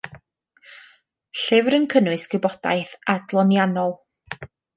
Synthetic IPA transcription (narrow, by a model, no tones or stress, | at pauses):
ɬɪvɾənkʰənwɨsɡ̥ɨbɔd̥a̰jθadlˠɔnjanɔlˠ